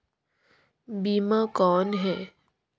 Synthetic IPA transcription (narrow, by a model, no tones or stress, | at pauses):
biːmakɔːnɦɛː